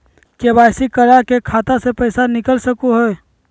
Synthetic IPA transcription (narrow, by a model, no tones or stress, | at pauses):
kebajsikəɾakekʰat̪asepəjsanikəlsəkuɦoj